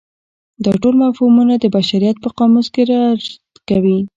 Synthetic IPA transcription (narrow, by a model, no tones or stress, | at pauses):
d̪ɑʈolmafhumunad̪əbaʃaɾijat̪̚pəqɑmuskeɾaɾt̪kawi